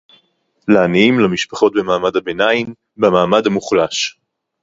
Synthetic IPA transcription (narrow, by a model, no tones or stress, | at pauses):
laaniimlamiʃpḁχo̞t̚bemaːmadhabenain | bamaːmadhamuχlaʃ